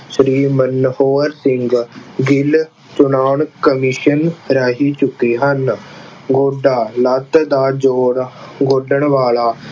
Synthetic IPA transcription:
ʃɾiːmənːhoːɾsɪŋɡɡɪl | t͡ʃʊnaːɳkəmiʃənɾaːɦiːt͡ʃʊkːiːɦən | ɡoːɖaːlət̪d̪aːd͡ʒoːɽɡoːɖəɳʋaːlaː

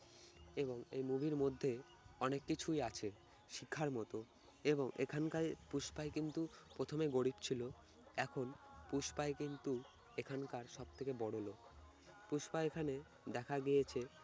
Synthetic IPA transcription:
eboŋḛjmubʱiɾmod̪ʱːe | ɔnekːit͡ɕʰujat͡ɕʰe | ʃikʰːaɾmɔt̪o | eboŋḛkʰankapuʃpaekint̪upɾot̪ʰomeɡoɽibt͡ɕʰilo | ɛkʰonpuʃpaekint̪u | ekʰankaɾʃɔb̚t̪ʰekebɔɽolok | puʃpaeekʰane | d̪ɛkʰaɡijet͡ɕʰe

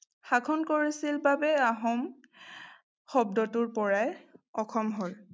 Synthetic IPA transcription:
xakʰɔnkoɹisilbabɛaɦɔm | xɔbdɔtʊɹpɔɹajɔkʰɔmɦol

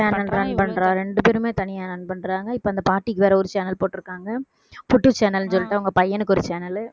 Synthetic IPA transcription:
aːnɐlɾɐnpɐɳːɾaːɾɛɳɖɯpeːɾɯmeːt̪ɐnɪjaːɾɐnpɐɳːɾaːŋɡɐɪpːoːɐnd̪ɐpaːɾʈːikːɯʋɛːɾɐɔɾɯt͡ʃeːnɐlpoːʈːɯɾɯkːaːŋɡɐ | pʊʈːɯt͡ʃeːnɐlnɯsɔlːɪʈːɯɐʋɐŋɡɐpɐjːɐnɯkːɔɾɯt͡ʃeːnɐl

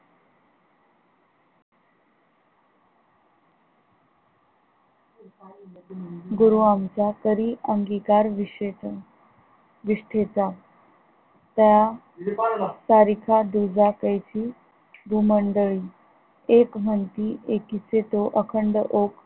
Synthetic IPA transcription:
ɡuɾuamt͡sakəɾiʔəŋɡikaɾʋie | ʋiʂʈʰet͡sa | t̪ja | saɾikʰad̪ud͡zakəjt͡ɕiː | bʱuməɳɖəɭiː | ekm̤ənt̪iʔekit͡set̪oʔəkʰəɳɖəʔok

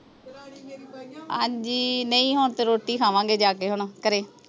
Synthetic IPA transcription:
a̰ːd͡ʒiːnəĩːɦoːɳt̪eːɾoːʈiːkʰaːʋãːŋɡeːd͡ʒaːkeːɦoɳ̃ːkəɾeː

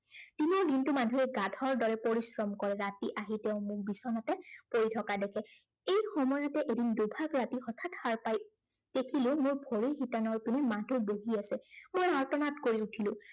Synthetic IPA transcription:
timɔɹdintumadʱuɛɡadʱɔɹdɔɹɛpoɹisɹɔmkɔɹɛɹatiʔaɦitɛʊ̃mʊɹbisɔnatɛpoɹitʰɔkadɛkʰɛ | ejxɔmɔjɔtɛʔedindubʱakɹatixɔtʰathaɹpaj | d̥ekʰilʊ̃mʊɹbʱoɹiɹɦitanɔɹpinɛmadʱuboɦiasɛmojɔɹtɔnatkoɹiutʰilʊ̃

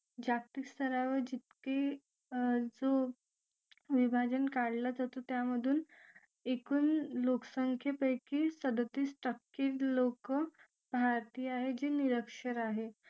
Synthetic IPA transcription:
d͡ʑak̚t̪ikst̪ʰəɾaʋəɾd͡ʑit̪̚ke | d͡zo | ʋibʱad͡ʑənkaɽlad͡zat̪ot̪jaməd̪ʱuːn | ekuːnloksəŋkʰjepəjkisəd̪ət̪iːsʈəkːiːɾlokə | bʱaɾt̪iːaɦed͡ʑeniɾəkʂəɾaɦe

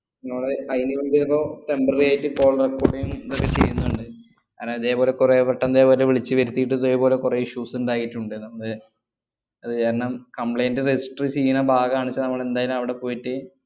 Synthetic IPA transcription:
niŋːɐɭeɐjniuɳbiroːt̪e̞mbɐrijaːjitːɨko̞ːɭrekːoːɽijumiðokːet͡ɕe̞̰jːunːuuɳɖɨ | ka̰ːɾomiðe̞ːpo̞ːle̞kureːʋeʈːɐnd̪eːpoːleʋiɭit͡ɕːɨʋɐɾut̪ːijiʈ̬ːɨðoːjpo̞ːlekureːiʂuːsuɳɖaːkiʈːuɳɖɨnɐmːɐɭ | ɐðɨkaːɾɐɳɐmkɐmpɭɐjndɨresi̥ʈrɨt͡ɕeijːunɐbʱaːɡɐaːɳit͡ɕːɐnɐmːɐɭe̞nd̪aːjɐlumɐʋiɽe̞po̞ːjiʈːɨ

